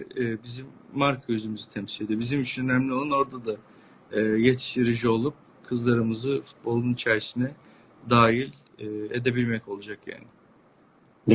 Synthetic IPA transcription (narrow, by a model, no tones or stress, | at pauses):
bizimːaɾkʰajyzymyzit̪ʰɛmsilʲed̪ijo̞bizimit͡ʃʰinø̞næmlʲio̞lˠano̞ɾd̪ad̪aː | je̞t̪ʰi̥ʃt̪iɾid͡ʒio̞lˠup̚ | kʰɯzlˠaɾɯmɯzɯfu̥t̪̚bo̞lˠunit͡ʃʰæɾsinɛ | d̪aːjilʲː | e̞d̪e̞bilʲmɛco̞lˠud͡ʒakja̰ːnɪ